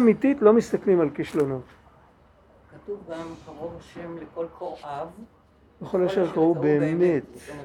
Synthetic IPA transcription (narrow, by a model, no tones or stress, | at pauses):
mit̪it̪lo̞mist̪aklimalkiʃlono̞t̪ | katuvɡamkaʁo̞vaʃemlekolkʰoʁʔav | jeχoljoʃeʁkaʁubeːmet̪